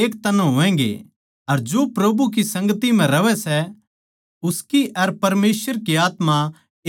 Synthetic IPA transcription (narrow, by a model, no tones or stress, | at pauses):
eːkt̪ɐnõɦʊʋɛ̃ːŋɡḛ | ɐɾd͡ʒoːpɾɐbuk̬isɐ̃ŋɡət̪im̤ɛ̃ɾɐʋɛsɛ | ʊskiʔɐɾpɐɾmeːsʋəɾkiaːt̪mã